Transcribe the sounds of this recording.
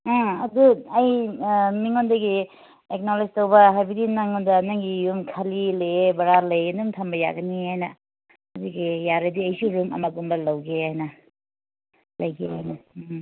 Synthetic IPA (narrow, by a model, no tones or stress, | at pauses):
ãɐduɐjmiŋondɐɡi | ek̚nolesitɐwbɐɦajbidinaŋondɐnɐŋɡijumkʰɐlileebɐɾalɐjɡɐnumtʰɐmbɐja̰ɡɐniajnɐ | ɐdiɡijaɾɐdiɐjsuɾumɐ̰mɐɡumbɐlɐwɡeajnɐ | lɐjɡea̰jnɐ